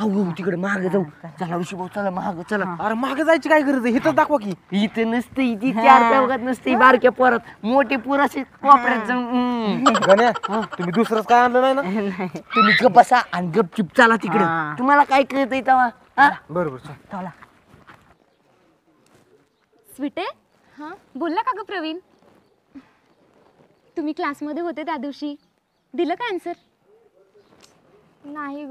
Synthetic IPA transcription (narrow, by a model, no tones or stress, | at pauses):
awɡəut̪ikɽemaɦaɡəd͡zaut͡salaɾuɕibaut͡salamaɦaɡət͡səlaaɾemaaɡəd͡zajt͡ɕikajɡəɾət͡səɦit̪ət͡sd̪akʰʋak̬iɦit̪ənəst̪əit̪it̪jaɾt̪əʋɡat̪̚nəst̪əibaɾkjapəɾət̪moʈepuɾəsekɔpɾat̪̚d͡zəŋ | ɡənjaɦat̪um̤iːd̪usɾət͡skajanlənajnanajt̪um̤iːɡəbasaʔaniɡəb̚t͡ʃip̚t͡salat̪ikɽet̪um̤alakajkəet̪̬əjt̪əʋa | ɦãbəɾobəɾsət̪ʰəla | sʋiʈe | hãbolːakaɡəpɾəʋiːn | t̪um̤iːklasməd̪ʱjeɦot̪̬et̪jad̪iwɕiː | d̪iləːkansəɾ | naɦi